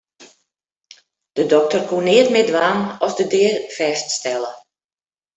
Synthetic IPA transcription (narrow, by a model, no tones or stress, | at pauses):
d̥ədɔk̚tərkʰunɪətmɪdʋaːnɔsdədɪːərfɛststɛlə